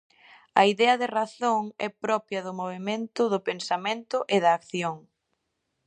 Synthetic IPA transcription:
ɐ̰iðɛɐðɪraθoŋɛpɾɔpjɐðʊmoβ̞emẽnt̪ʊðʊpensamẽnt̪ʊʔeðɐːkθjoŋ

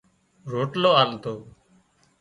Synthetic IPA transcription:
ɾoːʈloːaːlt̪oː

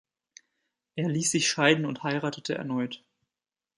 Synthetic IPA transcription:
ʔeːɐliːsz̥ɪçʃaɪdn̩ʊnthaɪʁaːtətʰəɛ̰ɐnɔʏt

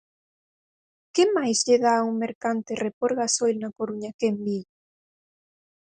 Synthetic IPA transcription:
kemajzʎeðauŋmeɾkant̪erepoɾɣasojlnakoɾuɲakembi

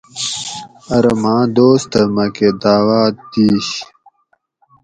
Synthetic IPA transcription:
ɐɾɐmãːd̪oːst̪ɐmɐked̪aːwaːt̪iːɕ

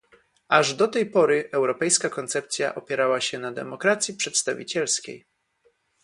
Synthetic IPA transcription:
aʐd̪ɔt̪ɛjpɔɾɘʔɛwɾɔpɛjskakɔnt̪sɛp̚t̪sʲja̰ʔɔpʲjɛɾawaɕɛnad̪ɛ̰mɔkɾat̪sʲjipʂɛt̪st̪avʲḭt͡ɕɛlskʲḛj

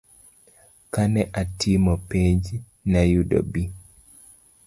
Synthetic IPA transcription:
kanɛʔatʰimɔpeɲd͡ʒ | najudo̰bi

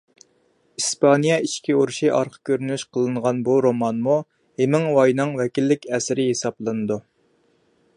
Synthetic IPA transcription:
ispʰɑnijɛiʃkʲiuɾuʃiʔɑ̰ɾqʰə̥kʲʰøɾynyʃqʰəlˠɨɴʁɑnbuɾomɑnmu | hemɪŋwɑjnɨŋwɛkʲilːɪkʲɛsɪɾɪɦesɑblˠɨnɨd̪u

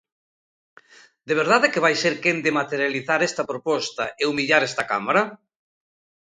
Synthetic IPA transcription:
d̪eβ̞eɾðaðekeβajseɾkend̪emat̪eɾjaliθaɾɛst̪ɐpɾopɔst̪ɐ̰ʔeumiʎaɾɛst̪ɐka̰maɾɐ

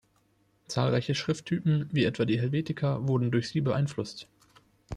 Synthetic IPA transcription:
t͡saːlʁaɪçəʃʁ̥ɪftʰːyːpm̩viːʔɛtv̥aːdiːɦɛlveːtɪkʰɐvʊɐdn̩dʊɐçz̥iːbəʔa̰ɪnflʊst

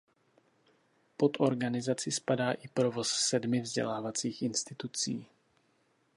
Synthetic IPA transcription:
po̞t̪ʔo̞ɾɡanɪzat͡sɪspadaːʔɪpɾo̞vo̞ssɛdmɪvzɟɛ̰laːvat͡siːxʔɪnst̪ɪt̪ut͡siː

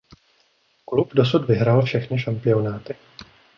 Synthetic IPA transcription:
klupdo̞s̬ud̪vɪɦɾaːlfʃɛxnɪʃampɪo̞naːt̪ɪ

